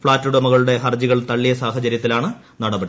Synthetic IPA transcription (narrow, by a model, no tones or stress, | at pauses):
fɭaːtːuɽɐmɐɣɐɭuɽe̞ɦɐrd͡ʑiɣɐɭt̪ɐɭːijɐsaːɦɐt͡ɕɐɾjɐt̪ːilaːɳɨ | nɐɽɐbɐɽi